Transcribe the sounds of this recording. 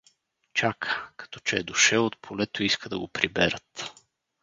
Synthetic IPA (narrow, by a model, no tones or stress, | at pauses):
t͡ʃakʰə̥kɐ̥t̪ɔt͡ʃɛːd̪ʊʃɛlˠot̪̚pʰolɛt̪oiskəd̪ɐ̰ɡopɾibɛɾət̪